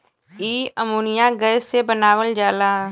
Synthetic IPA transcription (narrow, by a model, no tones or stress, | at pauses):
iːəmuːnɪjãːɡəseːbənaːʋəld͡ʒaːlaː